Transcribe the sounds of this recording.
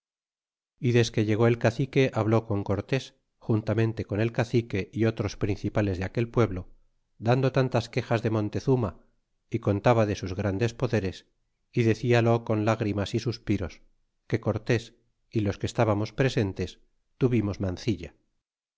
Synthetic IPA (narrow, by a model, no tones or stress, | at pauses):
iðe̞ske̞ʝe̞ɣ̞o̞e̞lkaθike̞ʔaβlo̞ko̞ŋko̞ɾt̪e̞s | xunt̪amẽ̞nt̪e̞ko̞ne̞lkaθike̞ʔio̞t̪ɾo̞spɾin̟θipale̞zðeake̞lpwe̞βlo̞ | d̪and̪o̞t̪ant̪aske̞xazðe̞mõ̞nt̪e̞θuma | iko̞nt̪aβaðe̞suzɣɾand̪e̞spo̞ðe̞ɾe̞s | iðe̞θialo̞ko̞nlaɣɾimasisuspiɾo̞s | ke̞ko̞ɾt̪e̞s | ilo̞skest̪aβamo̞spɾe̞se̞nt̪e̞s | t̪uβimo̞zmanθiʎa